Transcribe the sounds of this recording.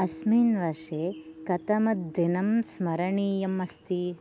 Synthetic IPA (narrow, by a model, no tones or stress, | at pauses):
ɐsmiːnʋɐɾʂeːkɐt̪ɐmɐt̪̚d̪inɐmsmɐɾɐɳiːjɐmɐst̪i